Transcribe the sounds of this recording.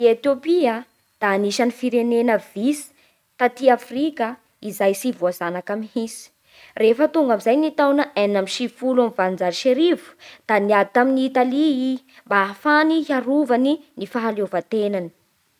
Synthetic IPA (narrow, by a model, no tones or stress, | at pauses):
iet̪jopia | d̪̥aːniʃanifiɾenenəvisi̥ | t̪at̪iafrikə | izajsivuazanakamiɦisi̥ | refət̪uŋɡamizajnit̪awnaʔenamiʃifulamivand͡zaɾiʃeɾivu̥d̪̥aniat̪aminiːt̪alii | mbaːfaniɦaɾuvaninifaɦalovat̪enani̥